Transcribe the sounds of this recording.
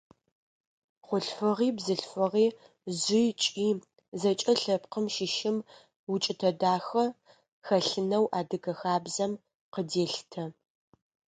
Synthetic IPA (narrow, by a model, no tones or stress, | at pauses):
χʷʊɬfɨʁiːbzɨɬfɨʁiː | zʷɪjt͡ʃʼiː | zɐt͡ʃʼɐɬɐpqəmʃɪʃɪm | wʊt͡ʃʼɪtʰɐdaːxɐ | xɐɬɨnɐwʔaːdɨɡɐxaːbzɐm | qədeːɬtʰɐ